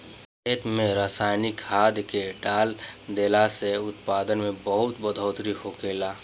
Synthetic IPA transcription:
eːt̪mẽɾaːsaːɪnɪkhaːd̪ʱkeɖaːld̪eːlaseʊt̪̚paːd̪ənmẽbəɦʊt̪bəd̪ʱəːt̪ɾihokeːlaː

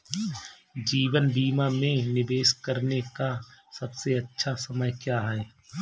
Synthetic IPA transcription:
d͡ʒiːʋənbiːmamẽnɪbeːʃkəɾnekasɐbseɐtːʃʰasɐməjkjaːɦɛː

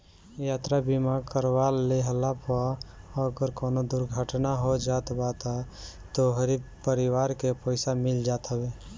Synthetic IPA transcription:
jat̪ɾabimakəɾwalːeɦəlapʰaəɡəɾkoːnod̪ʊɾɡʱəʈnaɦod͡ʒat̪bat̪at̪oɦəɾipəɾɪwaːɾkepəɪsamɪld͡ʒaːt̪ɦəbe

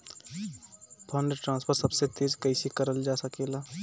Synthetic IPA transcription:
pʰənɖʈɾãːnspʰəɾsəbset̪eːd͡ʒkəɪsikəɾəld͡ʒasəkeːla

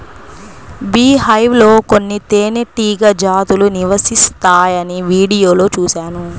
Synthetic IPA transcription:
biːhɐjʋlo̞ːko̞nːit̪eːneʈiːɡɐd͡ʒaːt̪uluniʋɐsist̪aːjɐniʋiːɽijo̞ːlo̞ːt͡ʃuːʃaːnu

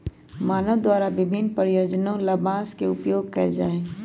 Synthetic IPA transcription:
maːnəʋd̪waːɾaʋɪbʱɪnpəɾjoːd͡ʒnõlɐbãːskeʊpjoːɡ̚kɐd͡ʒaːẽː

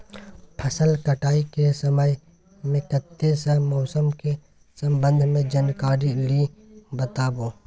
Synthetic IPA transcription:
pʰəsəlkəʈaːikesəməj | mẽkət̪ːesə̃mɔːsəmke | sə̃mbə̃nd̪ʱmẽd͡ʒənkaːɾilibət̪aːbõː

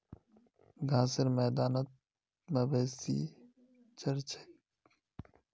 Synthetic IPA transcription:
ɡʱãːseɾmɛːd̪aːnət̪̚ | mebeːsḭ | t͡ʃəɾt͡ʃʰe̥

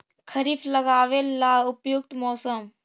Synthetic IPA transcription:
kʰɐɾiːflɐɡaːʋelːaːʊpjuk̚t̪mɔːsəm

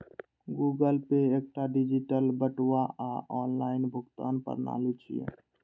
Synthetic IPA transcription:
ɡuːɡəlpeeːk̚ʈaɖɪd͡ʒɪʈəlbəʈwaaɔːnlaːɪnbʱʊɡt̪a̰ːnpə̰ɾna̰ːlut͡ʃʰḭjḛ

